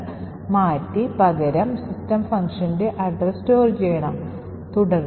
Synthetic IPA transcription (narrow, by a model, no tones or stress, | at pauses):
maːtːipɐɣɐɾɐmsistɐmfɐŋkʂɐndeʔɐɖrɐstoːrd͡ʑejɐɳɐm | t̪uɽɐr